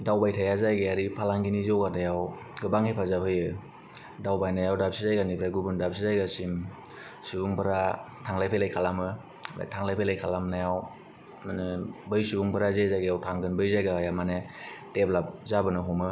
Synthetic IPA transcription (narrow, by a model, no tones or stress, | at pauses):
dawbajtʰajazajɡeaɾipʰalaŋɡinizɔwɡanajaw | ɡɯbaŋhejpʰazapʰɯjɯ | dawbajnajawdap̚sizajɡanipʰɾaɡubɯndap̚sizajɡasim | subuŋpʰɯɾa | tʰaŋlajpʰejlajkʰalamɯ | a̰tʰaŋlajpʰelajkʰalamnajaw | manɯbɯjsubuŋpʰɯɾazejzajɡajawtʰaŋɡɯnbɯjzajɡajamaneteplap̚zabɯnɯɦɔmɯ